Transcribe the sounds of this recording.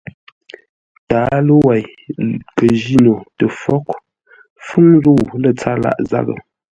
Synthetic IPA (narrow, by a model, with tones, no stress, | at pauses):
taː˨˦lə˦wa˨jkə˨ʒi˦no˨tə˨fɔ˦k | fʉ˦ŋɾu˦˨lə˦˨t͡sa˦la̰˦˨ʔza̰˦˨ɣə̰˨